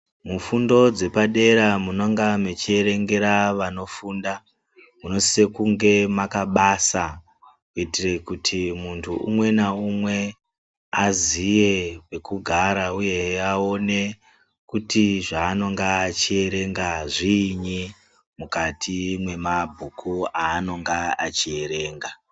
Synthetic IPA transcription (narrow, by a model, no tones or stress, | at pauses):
mufundo̞d͡ze̞paɗe̞ɾamunoŋɡamet͡ʃie̞ɾe̞ŋɡe̞ɾaʋano̞fuːnda | muno̞sse̞kuŋɡe̞makaɓasa | kuitire̞kutʰimuntʰuʔṵmwe̞naumwe̞ | azije̞pe̞kuɡʱaɾauje̞ao̞ne̞ | kutiʐaːno̞ŋɡaːt͡ʃie̞ɾe̞ŋɡaʐiɲi | mukatʰimwe̞mabʱukʰuaːno̞ŋɡaat͡ʃie̞ɾe̞ːŋɡa